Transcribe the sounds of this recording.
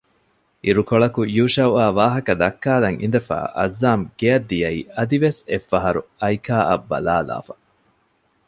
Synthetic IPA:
iɾukoɭɐkujuːʃɐwaːʋaːɦɐkɐd̪ɐkːaːlɐŋʔḭnd̪ɐfa̰ːʔɐ̰zːaːmɡ̥eɐd̪ːijɐiːɐd̪iʋesefːɐɦɐɾuɐjkaːʔɐbːɐ̰laːla̰ːfɐ̥

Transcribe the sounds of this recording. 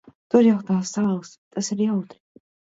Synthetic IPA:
t̪uɾjawt̪aːsːaːlˠst̪asiɾjawt̪ɾi

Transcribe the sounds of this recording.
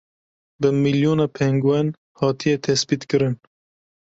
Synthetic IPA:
bɨmiljoːnɑpʰɛŋɡwɛn | hɑːt̪ʰijɛt̪ʰɛsbit̪kɨɾɨn

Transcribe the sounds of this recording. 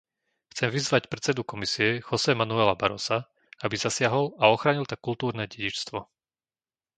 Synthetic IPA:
xt͡sɛmʋizʋacpɾɛt̪t͡sɛd̪ukɔmisiɛxɔsɛmanuɛːlabaɾɔsa | abizasɪaɦɔlaɔxɾaːɲilt̪ak̚kːult̪uːɾnɛːɟɛɟit͡ʃst̪ʋɔ

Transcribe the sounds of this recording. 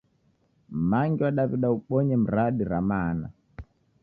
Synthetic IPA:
maŋɡiwaɗaβiɗauɓɔɲɛm̩ɾaɗiɾamana̰

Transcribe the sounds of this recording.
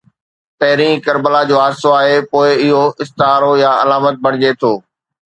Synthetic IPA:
t̪ɐɦɪɾĩːkɐɾbəlad͡ʑoːaːdsoaːɦepoːɪɪɦoɪst̪ɪɦaːɾojaɐlaːmət̪̚bʱɐɽ̃ɪd͡ʑet̪ʰoː

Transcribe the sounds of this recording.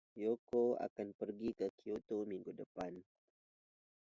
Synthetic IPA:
jokoa̰kanpərɡikəkiot̪omiŋɡudəpan

